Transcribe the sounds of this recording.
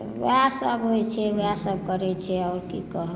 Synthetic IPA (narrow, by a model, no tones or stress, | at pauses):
wasəbɦojt͡ʃʰɛʋasəb̚ʱkəɾɛt͡ʃʰɛɔʊɾkikəɦ